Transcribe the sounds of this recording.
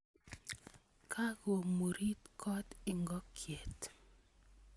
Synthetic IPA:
kʰa˦ɡo˨mo˨ɾi˦tkʰɔ˦tɪ˦ŋɡɔ˦kʰje˨t

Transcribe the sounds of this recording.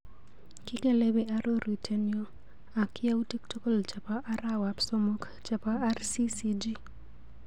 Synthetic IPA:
kɪ˦ke˦le˦be˦ʔa˦ɾʔo˦ɾi˨tʰe˦njo˦ | a˨kɪja˦u˦te˦kto˦ko˦˨lt͡ʃa˨pa˦ʔa˦ɾa˦wa˨pso˦mo˦k | t͡ʃa˨pa˦a˦rsi˦si˦d͡ʒi˦

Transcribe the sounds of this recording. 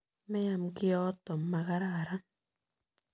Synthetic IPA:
mɛ˦ja˨mki˦ɔ˦t̪o˨mːa˧ɣa˦ɾa˦˨ɾa˦n

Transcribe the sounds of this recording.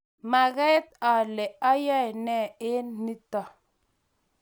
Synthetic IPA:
ma˨ɣɛ˦t̪̚a˨lɛ˨a˦ja˦˨nɛ˦˨e˦ni˦ta˨

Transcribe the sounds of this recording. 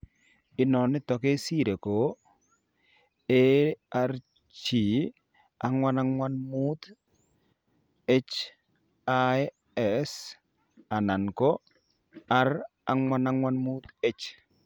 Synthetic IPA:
ɪ˦nɔ˨nɪ˦tɔ˨ke˦si˦˨ɾe˨ko˨ | e˦a˨˦ɾ | t͡ʃi˨ | a̰˨˦ŋwa˦na˦ŋwa˦nmu˦t̪ | e˦t͡ʃ | a˦ | ɛ˨s | a˨na˨nko˦ | a˦r | a˨ŋwa˦na˦ŋwa˦nmu˦t̪e˦t͡ʃ

